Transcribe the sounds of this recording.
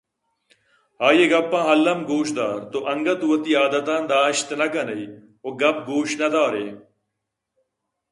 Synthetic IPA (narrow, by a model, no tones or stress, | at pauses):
ɦaːjeɡɐpːãːɦɐlːɐmɡuːʃd̪aːɾt̪oʔɐŋɡɐt̪uwɐt̪iːaːd̪ɐt̪ãːnd̪aːʃt̪nɐɡɐnɐi | oːɡɐp̚ɡuːʃnɐd̪aːɾeː